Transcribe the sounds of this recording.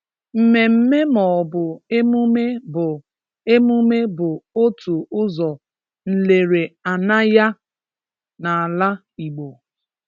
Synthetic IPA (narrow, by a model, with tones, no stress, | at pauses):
m̩˨me˨m̩˦me˦mɔ˨bʊ˨e˦mu˦me˦bʊ˨ | e˦mu˦me˦bʊ˨o˦tu˨ʊ˦zɔ˨ | n̩˨le˨ɾe˨a˨na˦ja˦ | na˨a˨la˦ | i˨ɡ͡bo˨